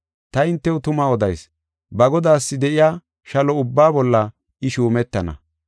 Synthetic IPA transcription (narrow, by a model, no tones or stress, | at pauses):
t̪ɐɪnt̪ːɛwʊt̪ʊmaɔd̪ɐjs | bɐɡɔd̪aːsːɪd̪ɛʔɪjaː | ʃɐlɔʊbːaːbɔlːɐ | ɪʃuːmɛt̪ːɐnɐ̰